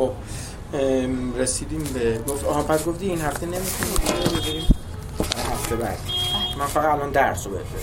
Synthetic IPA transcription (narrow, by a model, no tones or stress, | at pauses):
xob̚ | ɾesiːd̪iːmbeɡoft̪ɒhɒpʰæsɡoft̪iːiːnhæft̪ene̞mit̪ʰuniet̪ʰiobezeɾiːm | hæft̪ʰebæ̰ɾd̪imænfæɣæd̪ælɒːnd̪æɾsobḛe